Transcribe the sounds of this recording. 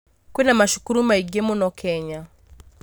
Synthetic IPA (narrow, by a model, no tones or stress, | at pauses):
kwɛnamaʃu̥kuɾumaiɡɛmɔnɔkʰɛɲa